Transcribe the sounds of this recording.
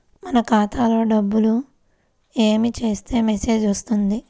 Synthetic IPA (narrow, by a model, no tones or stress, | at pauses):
mɐnɐkaːt̪ʰaːlo̞ːɖɐbːulu | eːmit͡ʃe̞ːst̪e̞ːmese̞ːd͡ʒʋɐst̪und̪i